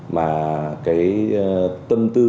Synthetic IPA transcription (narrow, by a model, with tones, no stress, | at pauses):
maː˨˩kaː˨˦j | t̪ə˧mt̪ɨ˧